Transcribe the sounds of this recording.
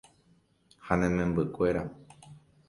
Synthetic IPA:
hanẽmẽmbɨkʷe̞ɾa

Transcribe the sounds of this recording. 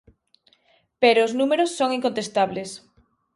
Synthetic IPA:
peɾoːznumeɾosːoŋiŋkont̪est̪aβles

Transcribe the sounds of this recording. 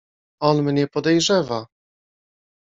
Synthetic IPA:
ɔnmɲɛpɔd̪ɛjʐɛva

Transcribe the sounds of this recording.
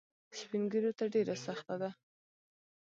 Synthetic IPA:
spiŋɡəɾjot̪aɖeɾasaxt̪ad̪a

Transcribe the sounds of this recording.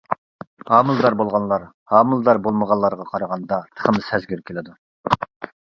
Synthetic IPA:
hɑːmɨlˠd̪ɑɾbolˠʁɑnlˠɑɾ | hɑːmɨlˠd̪ɑɾbolˠməʁɑnlˠɑɾʁɑqʰɑɾɑʁɑnd̪ɑt̪ʰə̥χʰəmsɛzɡʲyɾkʲʰelɪd̪u

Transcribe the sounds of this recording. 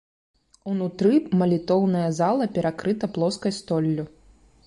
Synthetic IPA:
unut̪ɾɨmɐlʲit̪ɔwnɐjɐzalˠɐpʲɛɾakɾɨt̪ɐplˠɔskɐjst̪ɔlʲːu

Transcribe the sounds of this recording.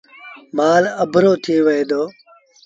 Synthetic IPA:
maːləbʱɾoːt̪ʰiʋəɦeːd̪oː

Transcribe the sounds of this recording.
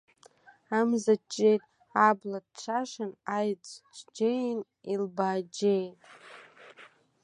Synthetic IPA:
amzat͡ʃʼːe̞jtʼ | ablad̚ʈ͡ʂʷʰaʂanajt͡sʰʷʼt͡ʃʰʼd͡ʒejn | ilbaːd͡ʒejtʼ

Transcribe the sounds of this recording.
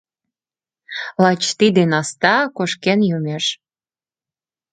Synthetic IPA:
lɑt͡ɕt̪id̪enɑst̪ɑkoʃkenjumeʃ

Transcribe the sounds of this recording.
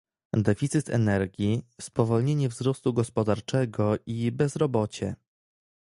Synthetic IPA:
d̪ɛfʲit̪sɘt̪ʰɛ̰nɛɾɡʲispɔvɔlɲeɲɛvzɾɔst̪uɡɔspɔd̪aɾt͡ʂɛɡɔʔibɛzɾɔbɔt͡ɕɛ

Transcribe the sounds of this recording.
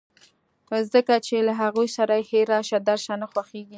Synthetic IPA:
zəkat͡ʃelaɦaɣujsaɾaheɾɑʃad̪aɾʃɑnaxwaxeɡi

